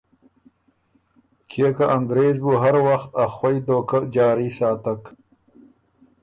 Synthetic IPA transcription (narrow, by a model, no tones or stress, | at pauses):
kʰeːkaʔaŋɡɾeːzbuɦaɾwaxt̪axwajd̪oːkad͡ʒɑːɾiːsɑːt̪ak